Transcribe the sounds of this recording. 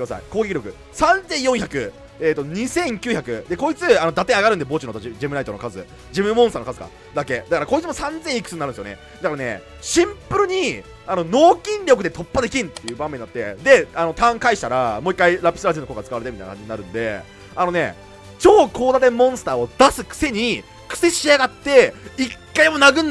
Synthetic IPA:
ɯasa̰ḭkoːɡekʲiɾʲo̞kɯ̟ | sãnd͡zẽɰ̃jõ̞ɰ̃çʲakɯ̟ | eːt̪ːo̞ɲ̟isẽ̞ŋkʲɨːçakɯ̟d̪e̞ko̞ːit͡sɨanod̪at̪ẽaɡaɾɯ̃nd̪e̞bo̞ːt͡ɕinot̪aid͡ʑimɯ̟nait̪ono̞kazɨ̰ | d͡ʑimɯ̟mõsɨt̪aːnokazɨ̥ka̰ | d̪ake̞d̪akaɾako̞it͡sɨmo̞sãnd͡zẽikɯ̥t͡sɨɲːaɾɯ̟nsjonḛ | d̪akaɾane̞̰ | ɕĩmpɯ̟ɾɯ̟ɲ̟i | ano̞no̞ːkʲĩnɾʲo̞kɯd̪e̞t̪ʰo̞pːad̪e̞k̬ʲĩnt̪ːe̞jɯ̟ːbãmẽ̞ɲ̟nat̪ːe̞̰d̪e̞ano̞t̪ãŋkaiɕi̥t̪aɾamo̞ːikːaiɾapʲi̥sɨɾaʑinokokɡat͡sɨ̥kaβaɾet̪emʲit̪ajinakaɲd͡ʑiɲinaɾɯ̟̃nd̪e̞̰ | ano̞ne̞̰ | t͡ɕo̞ːkʰo̞ːd̪at̪ẽ̞mmːõɰ̃sɨ̥t̪aːo̞d̪asɨkɯ̟̥se̞ɲ̟i | kɯ̥se̞ɕiaɡat̪ːe̞ikːaimo̞naɡɯ̟̃nː

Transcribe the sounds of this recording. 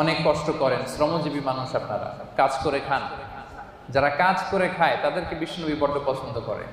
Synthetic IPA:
ɔnekːɔʃʈokɔɾensɾɔmod͡ʑibimanuʃapnaɾa̰kad͡ʑkoɾekʰan | d͡ʑaɾakad͡ʑkoɾekʰaet̪ad̪eɾkebiʃonobipɔɾɖʱopɔt͡ɕʰond̪ʱokɔ̰ɾḛ

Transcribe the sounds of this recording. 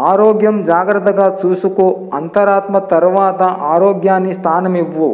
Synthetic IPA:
aːɾoːɡjɐmd͡ʒaːɡɾɐt̪ɐɡɐt͡suːsukuɐnt̪ɐɾaːt̪mɐt̪ɐɾɐʋaːd̪ɐʔaːɾoːɡjaːnist̪ʰaːnɐmiʋːu

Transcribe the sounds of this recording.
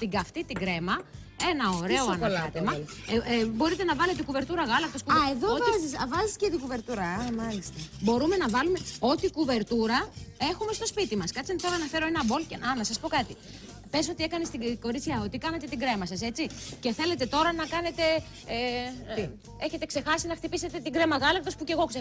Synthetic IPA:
t̪iɡɐft̪it̪iɡɾe̞mɐ | enɐo̞ɾe̞oɐnlt̪emɐ | bo̞ɾit̪e̞nɐvɐle̞t̪ekuve̞ɾt̪uɾɐɣɐlɐk̚t̪oskueðovzisvɐziscet̪ikuve̞ɾt̪uɾɐɐmɐlist̪ɐbo̞ɾume̞nɐvɐlume̞o̞t̪ikuve̞ɾt̪uɾɐe̞xume̞st̪o̞spit̪imɐskɐt͡ssient̪i̥θelnɐfe̞ɾo̞e̞nɐbo̞lceɐnɐsɐspo̞kɐt̪i | peso̞t̪ie̞kɐnest̪iɡo̞ɾit͡sçɐo̞t̪ikɐnɐt̪et̪iɡɾe̞mɐsɐse̞t͡sice̞θe̞le̞t̪e̞t̪o̞ɾɐnɐkɐne̞t̪e̞ | e̞çe̞t̪e̞kse̞xɐsinɐxt̪ipise̞t̪e̞t̪iɡɾe̞mɐɣɐlɐk̚t̪o̞spuce̞ɣo̞kse

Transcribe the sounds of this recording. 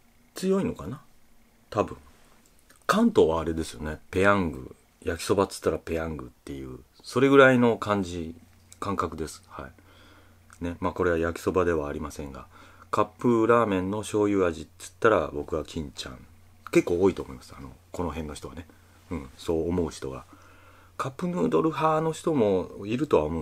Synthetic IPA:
t͡sɨjo̞ino̞kana | t̪abɯ̟̃ŋ | kãnt̪o̞βaːɾe̞d̪e̞sɨjo̞ne̞pe̞ãŋɡɯ̰ | jakʲi̥so̞bat͡sɨ̥t̪ːaɾape̞ãŋɡɯ̟t̪ːe̞jɯ̟ː | so̞ɾe̞ɡɯ̟ɾaino̞kʰãɲ̟d͡ʑi | kãŋkakɯ̟d̪e̞sɨ̥hai | ne̞maːko̞ɾe̞βajakʲi̥so̞bad̪e̞βaːɾʲimasẽ̞ŋɡa̰kapːɯ̟ɾaːmẽ̞nːo̞ɕo̞ːjɯ̟ːaʑit͡sɨ̥t̪ːaɾa̰bo̞kɯ̟ɡakʲʰĩɲ̟t͡ɕã̰ŋ | ke̞kːo̞ːit̪o̞ːmo̞imasɨ̥ano̞̰ko̞no̞ɦẽ̞nːoçi̥t̪oane̞ | ɯ̟̃ɴso̞ːmo̞ɯ̟çi̥t̪o̞̰ɡa̰ | kʰapːɯnɯːd̪o̞ɾɯ̟ɦaːno̞çi̥t̪o̞mo̞iɾɯ̟t̪o̞βaomõ̞

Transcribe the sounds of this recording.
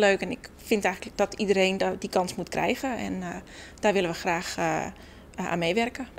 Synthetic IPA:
løːkɛnɪkfɪntɛjxəd̥ɔtidəɾeːndikɑnsmutkrʔɛ̰jɣəɛ̰n | d̥aːrʋɪləʋəxraːx | a̰ːnmeːʋɛrkə

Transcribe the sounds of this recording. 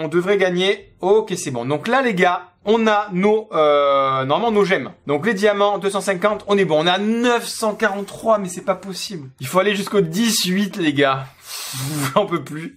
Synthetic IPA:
ɔ̃d̪əvʁɛɡaɲe | okʲesɛbɔ̃d̪ɔ̃klaleɡaɔ̃nanoønɔʁmamɑ̃noʒɛmd̪ɔ̃kled̪jamɑ̃d̪øsɑ̃sɛ̃kɑ̃t̪ɔ̃nɛbɔ̃ːnanœfsɑ̃kaʁɑ̃t̪t̪ːχwamɛsɛpapɔsiblilfoaleʒyskod̪isɥit̪leɡa | ɑ̃pøply

